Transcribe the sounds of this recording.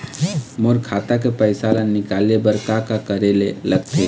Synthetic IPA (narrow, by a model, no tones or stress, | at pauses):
moɾkʰaːt̪ak̬epəɪsalannɪkalebəɾkakakəɾeleləɡt̪ʰe